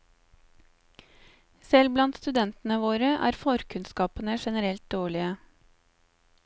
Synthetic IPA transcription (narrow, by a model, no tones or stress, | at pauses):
sɛlblɑnt̪st̪ʉd̪ɛnt̪n̩əʋoːɾəʔæ̰ːɾfɔɾkʰʉnskɑːpənəʃɛnəɾɛlt̪̚d̪oːɭɪə